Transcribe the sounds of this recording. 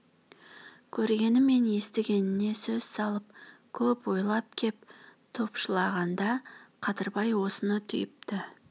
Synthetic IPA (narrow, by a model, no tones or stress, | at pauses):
kʲʰɵɾɡʲe̞nɪmːe̞nje̞st̪ɪɡʲe̞nɪne̞sɵz̥sɑlˠəp̚kʲʰɵpwo̞jlˠɑp̚kʲʰe̞p̚t̪ʰo̞pʃəlˠɑʁɑnd̪ɑqʰɑt̪əɾbɑjwo̞sənət̪ʰʏjɪp̚t̪ɪ